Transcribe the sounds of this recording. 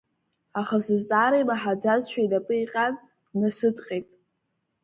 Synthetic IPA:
aχasɨzt͡sʼaːɾaejmaħad͡zazʃᶣajdapʼɨiqʲʼan | nasɨtʼqʲʼejtʼ

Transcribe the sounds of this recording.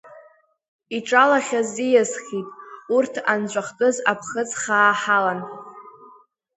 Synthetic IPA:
iʈ͡ʂʼalaχʲazijazχʲitʼurtʰand͡ʒʷʼaχtʼɨzapʰχət͡sʼχaːħalan

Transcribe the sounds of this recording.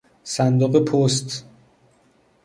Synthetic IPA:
sænd̪oɣepʰost̪

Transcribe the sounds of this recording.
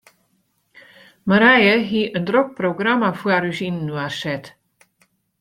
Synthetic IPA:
məɾɛjəɦiʔəndrok̚proɡramafwaɾysinnːuarsɛt

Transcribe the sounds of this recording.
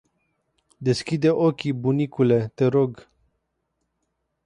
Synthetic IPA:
d̪e̞skʲid̪e̞ʔokʲibunikule̞t̪e̞ɾoɡ

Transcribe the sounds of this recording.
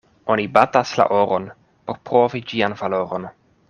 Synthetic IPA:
o̞nibatasla̰ʔoɾʔon | poɾpɾovid͡ʒianvaloɾon

